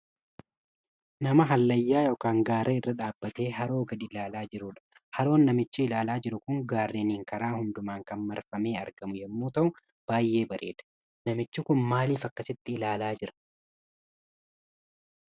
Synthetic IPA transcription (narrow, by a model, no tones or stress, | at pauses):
nɐmɐɦɐlːɐjːaːjo̞ːkaːŋɡaːɾʔɐɪrːɐᶑaːbːɐt̪e̞ːɦɐɾo̞ːɡɐd̪ɪlaːlaːd͡ʒɪɾʊᶑɐ̥ | hɐɾo̞ːnːɐmɪt͡ʃːɪɪlaːlaːd͡ʒɪɾʊkʊŋɡaːrːeniːŋkɐɾaːhʊnd̪ʊmaːŋkɐnmɐɾfɐme̞ːɐɾɡ̥ɐmʊjɛmːuːt̪ɐʔʊ | b̥aːjːe̞ːbɐɾʔe̞ːᶑ̪ɐ̥ | nɐmɪt͡ʃːɪkʊnmaːliːfɐkːɐsɪt̪ːɪɪlaːlaːd͡ʒɪɾɐ̥